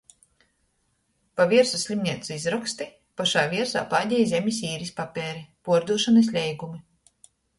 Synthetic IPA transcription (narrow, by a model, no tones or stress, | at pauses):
paviɛɾsusʲlʲimnʲiɛt̪suizɾɔkst̪i | paʃaːvʲiɛɾsa̰ːpaːd̪ʲɛjzʲemʲis̬ʲiːɾispapʲɛːɾipuɔɾd̪uːʃanɐs̬ʲlʲɛjɡumi